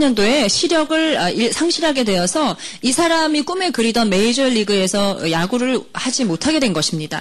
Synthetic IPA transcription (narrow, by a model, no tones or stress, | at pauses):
ɲʌndoe̞ɕʰiɾjʌɡɯɭaiɭsʰaŋɕʰiɾɦaɡe̞dwe̞ʌsʰʌisʰaɾamik͈ume̞kɯɾidʌnme̞id͡ʑʌɭːiɡɯe̞sʰʌɯjaɡuɾɯɭhad͡ʑimotʰaɡe̞dwe̞nɡʌɕʰimɲida̰